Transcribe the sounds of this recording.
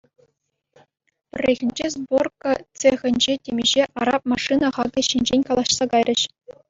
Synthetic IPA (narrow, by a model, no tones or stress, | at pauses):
pʲɘ̆rʲːeɣʲɘ̆nʲd͡ʑezborkɤ̆t͡sexʲɘ̆nʲd͡ʑetʲemʲeʑeʔɑɾɑp̚mɑʂɨnɑχɑɡʲɤ̆ɕinʲd͡ʑenʲkɑlˠɑɕsɑɡɑjrʲɘ̆ɕ